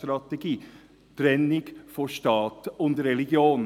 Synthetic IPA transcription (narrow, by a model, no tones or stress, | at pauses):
t̪ɾɑt̪ɛɡiː | b̥ɾɛnːɪɡ̥fɔʃtɑːt̪ʊnd̪ɾɛlɪɡjoːn